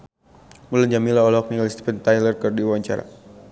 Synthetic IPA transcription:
muland͡ʒamilaɔlɔk̚nialist̪i̥pɛnt̪ajlərkərdiwawaɲt͡ʃaɾa̰

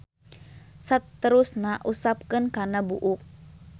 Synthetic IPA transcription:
sat̪əɾusnaʔusap̚kɨnkarnabuʔuk̚

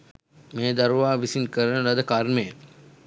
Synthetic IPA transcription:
meːd̪aɾuʋaːʋisinkəɾənəɾɐd̪əkaɾmejə

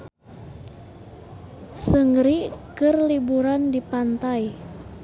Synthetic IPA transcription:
səŋɾikərlibuɾandipant̪aj

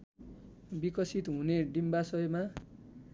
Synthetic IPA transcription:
bikʌsit̪ɦũneɖimbasʌjma

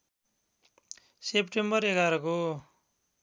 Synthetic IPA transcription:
sepʈembʌreɡaɾʌko

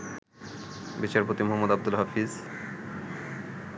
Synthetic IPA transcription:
bit͡ɕaɾpot̪imoɦɔmːod̪ab̚d̪ulɦafiz

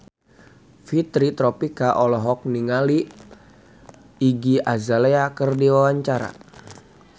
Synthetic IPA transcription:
fit̪ɾit̪ɾɔpikaʔɔlɔɦɔk̚niŋali | iɡiazaleakərdiwawaɲt͡ʃaɾa̰

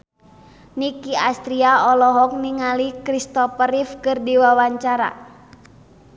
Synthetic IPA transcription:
nikiast̪ɾiaɔlɔɦɔk̚niŋalikɾist̪ɔpəɾifkɨrdiwawaɲt͡ʃaɾa̰

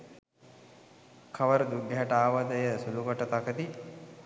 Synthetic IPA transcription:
kʰaʋəɾəd̪uɡɛɦɐʈəaːʋad̪əjəsuluɡoʈət̪akəd̪i

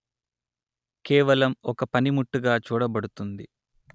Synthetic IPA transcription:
kɛːʋɐlɐmɔkɐpɐnimuʈːuɡaːt͡ʃuːɽɐbɐɽut̪und̪i

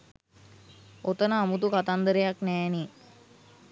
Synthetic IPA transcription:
ot̪ənəːmut̪ukat̪and̪əɾejaknɛːni

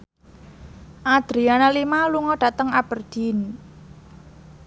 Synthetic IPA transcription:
ʔad̪̥ɾianalimaluŋɔɖ̥a̤t̪əŋab̥ərd̪̥in

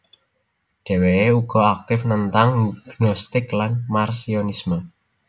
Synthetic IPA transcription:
ɖ̥e̤weeuɡ̥ɔ̤ak̚t̪ɪfnənt̪aŋɡ̥nɔst̪ɪklanmarsionismə

